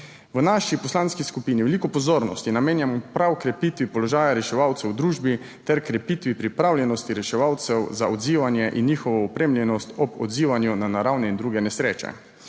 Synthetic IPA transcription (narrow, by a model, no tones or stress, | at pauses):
ʋənaʃipɔslanskiskupiːniʋɛlikɔpɔzoːɾnɔ̰st̪inameːnjamɔpɾawkɾɛpiːt̪ʋipɔlɔʒaːjaɾɛʃɛʋawt̪sɛwd̪ɾuːʒbi | t̪ɛɾkɾɛpiːt̪ʋipɾipɾawljɛnɔst̪iɾɛʃɛʋawt̪sɛwzaɔd̪ziːʋanjɛʔinːiːxɔʋɔɔpɾeːmljɛnɔst̪ɔbɔ̰d̪ziːʋanjunanaɾawnɛind̪ɾuːɡɛnɛsɾeːt͡ʃɛ̰